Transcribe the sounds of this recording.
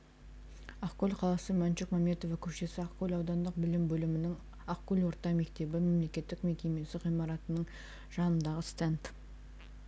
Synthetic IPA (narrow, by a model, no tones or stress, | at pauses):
ɑqkʲolʲqʰɑlˠɑsəmænt͡ʃekmɑme̞t̪o̞vakʲʰɵpʃe̞sɪɑqkʲolʲɑwd̪ɑnd̪əq̚bɪlɪmbɵlɪmɪnɪŋ | ɑqkʲːɵlʲwo̞ɾt̪ɑme̞kt̪e̞bɪme̞mle̞kʲe̞t̪ːɪkme̞kʲe̞me̞sɪʁijmɑɾɑt̪ənəɴ | ʒ̥ɑnənd̪ɑʁəst̪ent̪